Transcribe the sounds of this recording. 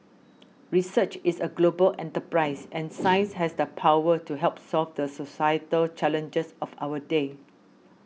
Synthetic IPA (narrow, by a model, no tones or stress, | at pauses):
ɹisət͡ʃisəɡlobəlʔɛ̰̃ntəpɹaɪsɛ̃nsãɪ̃nsɦɛsdəpʰawətuɦɛlp̚sɔlfdəsosajətəlt͡ʃɛlə̃nd͡ʒəsɔfa̰wəde